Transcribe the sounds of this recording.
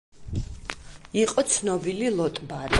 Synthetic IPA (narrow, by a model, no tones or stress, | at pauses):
iqʼɔt̪sʰnɔbililˠɔt̪ʼbad̪